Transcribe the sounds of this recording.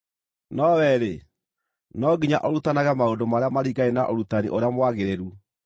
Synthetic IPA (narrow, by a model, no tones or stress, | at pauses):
nɔwɛɾe | nɔɡiɲaʔɔɾutanaɣamaondomaɾeamaɾiɡaenaʔoɾutanḭʔoɾeamwaɣeɾeɾu